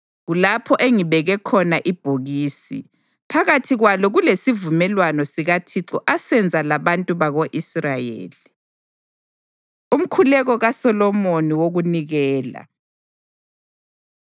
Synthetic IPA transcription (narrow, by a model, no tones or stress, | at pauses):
ɣulapʰɔʔeŋiβɛɣɛkʰɔnaʔib̥ʱoɣiːsḭ | pʰaɣatʰiɣwalɔɣulesivumɛlwanɔsiɣatʰiǁɔʔasɛnd͡zʱalaβantʼuβaɣoʔisrajḛːli | um̩kʰulɛɣɔɣasɔlɔmoniwoɣuniɣɛːla̰